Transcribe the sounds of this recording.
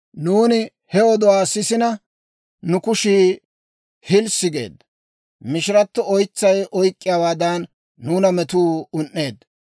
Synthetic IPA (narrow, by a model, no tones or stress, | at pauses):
nuːnɪ | hɛɔd̪ɔwaːsɪsɪnɐ | nʊkʊʃiː | hɪlsɪɡe̞̰ːd̪ | mɪʃɪɾɐt̪ːɔɔjt͡sːɐjɔjkʼːɪjaːwaːd̪aːnː | uːnɐmɛt̪uːʊnʔːe̞ːd̪